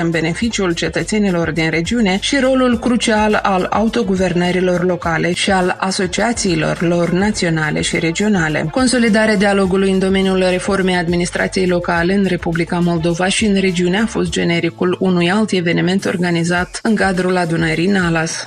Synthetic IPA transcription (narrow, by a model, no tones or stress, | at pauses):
əmbe̞ne̞fit͡ʃiult͡ʃe̞t̪ət̪se̞nilo̞rd̪inɾe̞d͡ʒiune̞ʃiɾo̞lulkɾut͡ʃialala̰ut̪o̞ɡuve̞rnəɾilo̞rlo̞kale̞ʃialaso̞t͡ʃiat̪siːlo̞̰rlo̞rnat̪sio̞nale̞̰ʃiɾe̞d͡ʒio̞nalḛko̞nso̞lid̪aɾead̪ialo̞ɡulujɨnd̪o̞me̞njulre̞fo̞rme̞jad̪minist̪ɾʔa̰t̪sije̞jlo̞kale̞ɨnre̞publikamo̞ld̪o̞vaʃiɨnre̞d͡ʒiune̞afo̞st̪̚d͡ʒe̞ne̞ɾikulunujalt̪e̞ve̞nime̞nt̪o̞̰rɡanizat̪ɨŋkad̪ɾulad̪unəɾijnalas